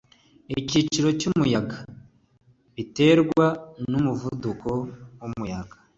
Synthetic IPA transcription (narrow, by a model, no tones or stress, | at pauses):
icit͡ʃiɾo̞cumujaɡa | βite̞ɾɡwanumuvuduko̞wumujaɡḁ